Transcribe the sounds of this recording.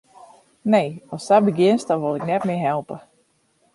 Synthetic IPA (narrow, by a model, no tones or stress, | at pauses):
nejɔsabəɡɪnst̚dɔnʋolˠɪknɛtmɪəɦɛlˠpə